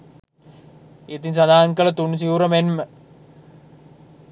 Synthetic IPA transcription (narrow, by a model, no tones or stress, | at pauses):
et̪insad̪aːŋkələt̪unsiuɾəmenmə